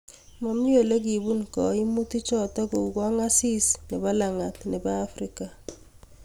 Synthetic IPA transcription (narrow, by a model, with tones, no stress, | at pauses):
mɔ˨mi˦jo˨le˦k̬i˨bu˦nkɔ˨i˦mu˦ti˦t͡ʃɔ˦tɔ˦ku˨ka˦ŋa˦si˦sni˨ba˦la˨ŋa˨tni˨baː˦fɾika˨